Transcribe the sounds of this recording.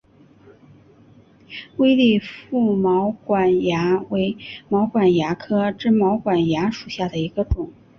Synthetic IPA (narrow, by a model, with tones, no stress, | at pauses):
we˥ɪli˥˧fu˥˩mɑ˧˥ʊkwa˨˩nja˧˥we˧˥ɪmɑ˧˥ʊkwa˨˩nja˧˥kʰɤ˥ʈ͡ʂɻ̩˥˩mɑ˧˥ʊkwa˨˩nja˧˥ʂu˨˩ɕja˥˩d̪ə˩i˧˥ɡə˧ʈ͡ʂʊ˨˩˦ŋ